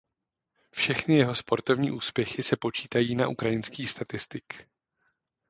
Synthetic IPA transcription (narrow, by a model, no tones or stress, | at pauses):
fʃɛxnɪjɛɦo̞spo̞ɾt̪o̞vɲiːʔuːspjɛxɪsɛpo̞t͡ʃiːt̪ajiːna̰ʔukɾajɪnskiːst̪at̪ɪst̪ɪk